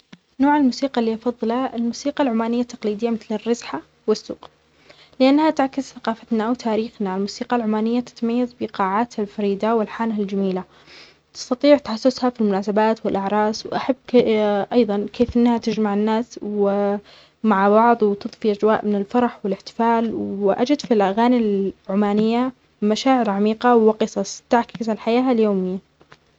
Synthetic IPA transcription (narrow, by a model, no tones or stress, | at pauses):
noːʕɪlmuːsiːqɑlːiːʔɑfɑðˤːɨlɑlmuːsiːqɑlʕʊmaːnɪjːat̪ːḁɑqliːd̪ɪjːamɪθlɪrːɑzħa | wɪsːṵːq | lɪʔanːhat̪aʕkɪsθaqɑːfat̪naʔwt̪ʰaːɾiːxnaɪlmuːsiːqɑlʕʊmaːnɪjːat̪ɪ̥t̪majːazbɪqɑːʕaːt̪halfɑɾiːd̪awɪlħaːnɦald͡ʒamiːla | t̪ɪ̥st̪ɑt̪ˤiːʕt̪ħasːʊshafilmʊnaːsabaːt̪wɪlʔaʕɾˤɑːswʔaħabːʔɑjðˤɑnkeːfʔɪnːhat̪ɪd͡ʒmaʕɪnːaːswɪ | maʕbɑʕðˤwɪt̪ɨðˤfiʔad͡ʒwaːʔmɪnɪlfɑɾˤɑħwɪlɪħt̪ɪ̥faːlwɪʔa̰d͡ʒɪd̪filʔaɣaːnilʕʊmaːnɪjːa | maʃaːʕɪɾʕamiːqɑwɪqɨsˤɑsˤt̪ɪʕkɪzalħajaːɦaljoːmɪjːa